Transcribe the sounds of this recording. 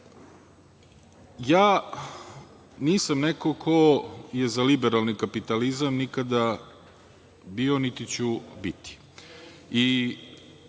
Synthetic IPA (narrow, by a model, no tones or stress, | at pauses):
jaː | niːsamnekokʰoje̞zalibeɾalˠnikapit̪alizamnikad̪a | bionit̪it͡ɕubit̪i̥ | i